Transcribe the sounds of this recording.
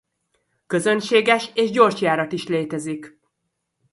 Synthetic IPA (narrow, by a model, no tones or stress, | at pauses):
kø̞zø̞nʃeːɡɛʃeːʒɟo̞rʃjaːɾɒt̪iʃleːt̪ɛzik